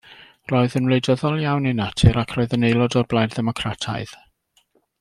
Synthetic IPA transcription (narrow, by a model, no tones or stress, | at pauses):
roɨðənwlˠejdəðɔlˠjawninatʰɪɾakʰrɔːɨðənejlˠɔdɔrblˠajdðɛmɔkʰratʰa̰ɨð̥